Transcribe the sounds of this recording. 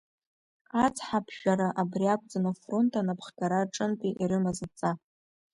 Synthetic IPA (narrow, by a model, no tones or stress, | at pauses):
qat͡sʰʼħapʰʃᶣaɾaʔabriakʷʼd͡zanafro̞ntʰʼanapʰχɡaɾaʈ͡ʂʼɨntʼiʔiɾɨmazat͡sʼa